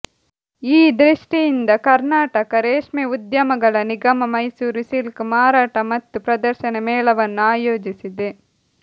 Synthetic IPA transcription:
iːd̪ɾiʂʈijind̪ɐkɐɾnaːʈɐkɐɾeːʂmeud̪jɐmɐɡɐɭɐniɡɐmɐmɐjsuːɾusilkmaːɾaːʈɐmɐt̪ːupɾɐd̪ɐɾʃɐnɐmɛːɭɐʋɐnːuaːjoːd͡ʒisid̪e

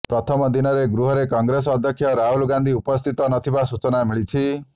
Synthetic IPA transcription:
pɾɔt̪ʰɔmɔd̪inɔɾeɡɾuɦɔɾekɔŋɡɾes̬ɔːd̪ʱjɔkʰːjɔɾaɦulɡand̪ʱiupɔst̪ʰit̪ɔnɔt̪ʰibasut͡ʃɔnamiɭit͡ʃʰi

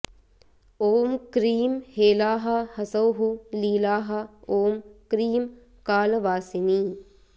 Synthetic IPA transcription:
oːmkɾiːmheːlaːɦɐhɐsɐwɦuliːlaːɦɐoːmkɾiːm | kaːlɐʋaːsiniː

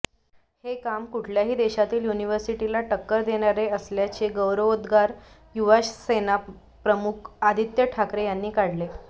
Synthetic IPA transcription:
hekamkuʈʰljaɦiːd̪eɕat̪iːljuniʋəɾsiʈilaʈəkːəɾd̪eɽ̃aɾeəsljat͡ɕeɡəwɾəʋod̪ɡaɾ | juʋaɕsena | pɾəmukʰad̪ʱit̪jəʈʰakɾejanːiːkaɽle

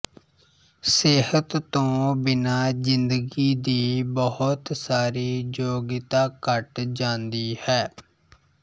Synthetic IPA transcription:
seːɦət̪ːõːbɪnaːzɪnd̪əɡiːd̪iːbəhʊt̪saːɾiːd͡ʒoːɡɪt̪aːkəʈd͡ʒãːnd̪iːhɛː

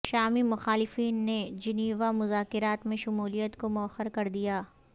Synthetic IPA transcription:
ʃaːmimʊxaːlɪfiːnːed͡ʒɪniːʋamʊzaːkɪɾaːt̪mẽʃʊmuːlijət̪komʊɐxəɾkɐɾd̪ijaː

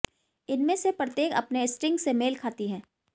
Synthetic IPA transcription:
ɪnmẽsepɾət̪eːkɐ̰pneɪsʈɪ̃ŋɡsemeːlkʰaːt̪iɦɛ̃ː

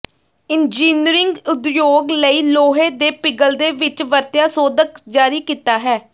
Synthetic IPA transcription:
ɪnd͡ʒiːnɾɪŋɡʊt̪joːɡləiːloːɦẽːd̪eːpɪɡəld̪eːʋɪt͡ʃʋəɾt̪jaːsoːd̪əkd͡ʒaːɾiːkiːt̪aːɦɛː

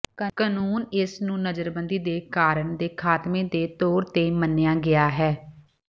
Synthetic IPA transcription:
kanuːnɪsnũːnəd͡ʒəɾbənd̪iːd̪eːkaːɾəɳd̪eːkʰaːt̪mẽːd̪eːt̪oːɾt̪eːmənːejãːɡɪaːɦɛː

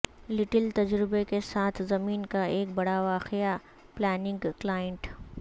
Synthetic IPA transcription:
lɪʈɪlt̪ɐd͡ʒɾɪbekesaːt̪ʰzɐmiːnkaeːk̚bɐɽaʋaːqɪja | plɛːnɪ̃ŋɡklaːjə̃ɳʈ

